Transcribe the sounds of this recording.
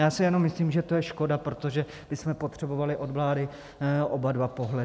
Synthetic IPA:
jaːsɪjɛnomːɪsliːmʒɛt̪o̞jɛʃko̞dapɾo̞t̪o̞ʒɛ | b̥ɪsmɛpot̪r̝̥ɛbo̞valɪʔo̞dvlaːdɪ | ʔobadvapo̞ɦlɛ

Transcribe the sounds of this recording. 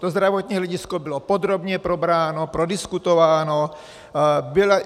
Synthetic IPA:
t̪ozd̪ɾavot̪ɲiːɦlɛɟɪskobɪlopod̪ɾobɲɛpɾobɾaːnopɾodɪskut̪ovaːno | bɪla

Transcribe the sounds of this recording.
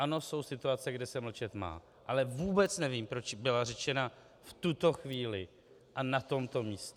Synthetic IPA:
ʔano̞so̞wsɪt̪uat͡sɛɡdɪsɛml̩t͡ʃɛt̪ma̰ː | ʔalɛvuːbɛt͡snɛviːmpɾo̞t͡ʃbɪlar̝ɛt͡ʃɛna | ft̪ut̪o̞xviːlɪ | ʔanat̪o̞mt̪o̞miːst̪ɛ

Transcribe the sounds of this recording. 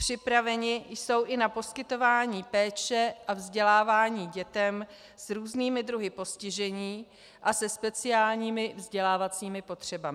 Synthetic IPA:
pr̝̥ɪpɾavɛɲɪjso̞wʔɪnapo̞skɪt̪o̞vaːɲiːpɛːt͡ʃɛʔavzɟɛlaːvaːɲiːɟɛt̪ɛm | sɾuːzniːmɪd̪ɾuɦɪpo̞scɪʒɛɲiː | ʔasɛspɛt͡sɪaːlɲiːmɪvzɟɛlaːvat͡siːmɪpo̞t̪r̝̥ɛbamɪ

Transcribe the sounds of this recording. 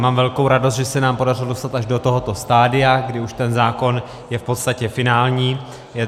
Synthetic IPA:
maːmvɛlkowɾadost̪ʒɛsɛnaːmpo̞darɪlodo̞st̪at̪aʒdo̞t̪oɦo̞t̪o̞st̪aːdɪjaɡdɪuʃt̪ɛnzaːko̞n | jɛfpo̞t̪st̪acɛfɪnaːlɲiː | jɛ

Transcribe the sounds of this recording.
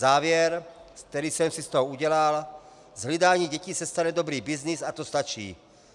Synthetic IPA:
aːʋɪɛɾsk̚t̪ɛɾisɛmsist̪ɔɦɔuɟɛlal | zɦlid̪aːɲiɟɛcisɛst̪anɛd̪ɔbɾiːbiznizat̪ɔst̪at͡ʃḭː

